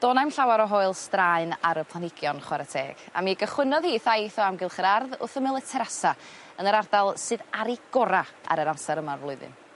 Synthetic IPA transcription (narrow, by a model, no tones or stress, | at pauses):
d̥oːnajmɬawaɾɔɦoɨlˠstraɨnaɾəpʰlˠanɪɡjɔnχwaɾətʰeːɡ̥a̰miɡəχwɪnɔðhiːθaθɔamɡɪlˠχəɾarðʊ̰θəmɪlˠətʰɛɾasa | ənəɾardalˠsɨðaɾiɡ̥ɔɾaa̰ɾəɾamsaɾəmavlˠʊɨðɨ̰n